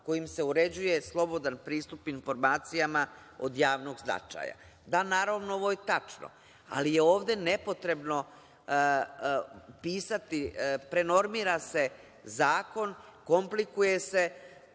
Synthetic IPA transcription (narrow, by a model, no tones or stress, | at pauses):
ko̞jimse̞uɾe̞d͡ʑuje̞slˠo̞bo̞d̪anpɾiːst̪upinfo̞ɾmaːt̪sijama | o̰d̪jaːʋno̞ɡzna̰t͡ʃa̰ja̰ | d̪anaːɾaʋnooʋo̞jet̪at͡ʂno̰ | a̰lijeoːʋd̪e̞ne̞po̞t̪ɾe̞bno̞ | piːsat̪ipɾe̞no̞ɾmiːɾase̞ | zaːko̞nko̞mplikuje̞se̞